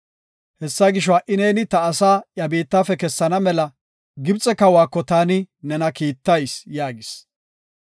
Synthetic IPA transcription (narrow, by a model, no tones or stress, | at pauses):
hɛsːɐɡɪʃ̬ɔwaʔɪneːnɪt̪ɐːsaːjɐbiːt̪ːaːfɛkɛsːɐnɐmɛlɐ | ɡɪbt͡sʼɛkɐwaːkːɔt̪aːnɪnɛnɐkiːt̪ːɐjsjaːɡɪs